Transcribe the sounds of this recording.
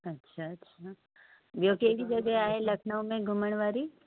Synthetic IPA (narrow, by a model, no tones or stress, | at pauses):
ɐtːʃʰaətːʃʰa | ʋjokeʋid͡ʒəɡeaːɦeləkʰɳəũmẽɡʱʊməɽ̃ʋaɾi